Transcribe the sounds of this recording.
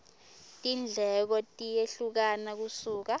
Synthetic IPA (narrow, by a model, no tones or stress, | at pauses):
tʼind͡ɮʱɛk̬ɔtʼijeɬuk̬anak̬usuːk̬a